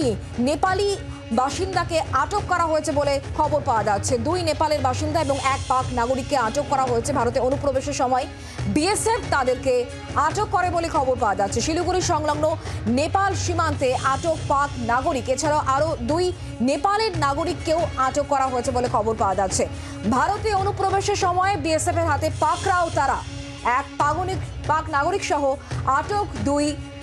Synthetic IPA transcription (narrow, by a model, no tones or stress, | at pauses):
i | nepali | baʃind̪akeaʈokːɔɾaɦoet͡ɕʰebolekʰɔboɾpaoad͡ʑatːɕʰed̪ujnepaleɾbaʃind̪aeboŋɛk̚paknaɡoɾikːeaʈokːɔɾaɦoet͡ɕʰebʱaɾot̪eɾonupːɾobeʃeɾʃɔmɔe | bieseft̪ad̪eɾke | aʈokːɔɾebolekʰɔboɾpaoad͡ʑatːɕʰeʃiluɡuɾiʃɔŋlɔŋnonepalʃimant̪eʔaʈokpaɾknaɡoɾiket͡ɕʰaɾaoʔaɾod̪uj | nepaleɾnaɡoɾikːewaʈokːɔɾaɦoet͡ɕʰebolekʰɔboɾpaoad͡ʑatːɕʰe | bʱaɾot̪eonupːɾobeʃeɾʃɔmɔebiesefeɾɦat̪epakɾaot̪aɾa | ɛk̚paɡonikpaknaɡoɾikʃɔɦoaʈokd̪uj